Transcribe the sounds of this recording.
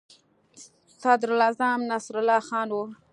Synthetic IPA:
sɑd̪ɾlɑzamnasɾʊlɑxɑːnwu

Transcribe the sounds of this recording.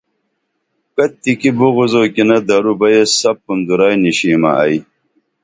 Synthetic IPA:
kɐt̪ːikibuɣuzoːkinɐd̪ɐɾubɐjesɐpːund̪uɾaːjniɕiːmɐ̰ʔɐ̰j

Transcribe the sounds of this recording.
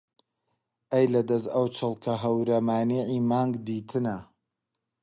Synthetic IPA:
ʔɐjlɐd̪ɐzɐwt͡ʃʰɨlˠkʰɐɦɐwɾɐmaːneːʕiːmaːŋɡd̪iːt̪ʰɨnɐ

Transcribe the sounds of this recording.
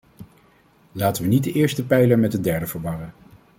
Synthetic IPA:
laːtəʋənitdəʔɪːɹstəpɛjləɹmɛt̚dədɛɹdəvəɹʋɑrən

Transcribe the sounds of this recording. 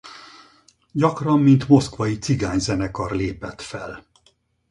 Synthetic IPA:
ɟɒkrɒmːint̪mo̞skʋɒjit̪siɡaːɲzɛnɛkɒrleːpɛt̪fɛl

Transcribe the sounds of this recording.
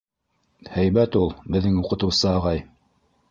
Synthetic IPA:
hæjbæt̪ulˠbɘ̆ðːɘŋuqɤ̆t̪ɤwsɤːʁɑj

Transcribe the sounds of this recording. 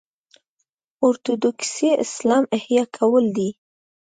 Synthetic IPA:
oɾt̪od̪okseʔɪ̰slɑmɪhjɑkʰawəld̪i

